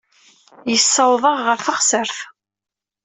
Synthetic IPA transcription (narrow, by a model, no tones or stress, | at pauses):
jəsːəwðˤəʁʁəɾfəχsəɾθ